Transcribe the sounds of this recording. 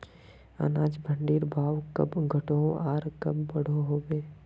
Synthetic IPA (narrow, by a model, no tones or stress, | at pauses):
a̰ːnaːd͡ʒbʱə̃ɳɖiːɾbʱaːʋkɐ̰bɡʱɐʈoaːɾkɐbːɐɽ̤oɦoːɡeː